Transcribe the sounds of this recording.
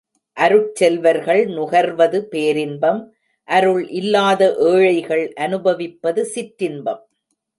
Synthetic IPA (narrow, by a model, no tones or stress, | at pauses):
ʔɐɾɯt͡ʃɛlʋɐɾɣɐɭnʊɣɐɾʋɐðɯpeːɾɪnbɐm | ʔɐɾɯɭʔɪlːaːðɐʔeːɻɐɪɣɐɭʔɐnɯbɐʋɪpːɐðɯsɪʈɾɪnbɐm